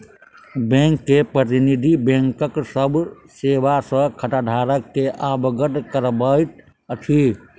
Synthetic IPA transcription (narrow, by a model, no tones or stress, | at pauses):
bẽŋkːepɾət̪inid̪ʱibẽŋkəksəb | sewasə̃kʰəʈaɖʱaɾəkːeʔabɡəʈkəɾbəʈ | əʈ̪ʰi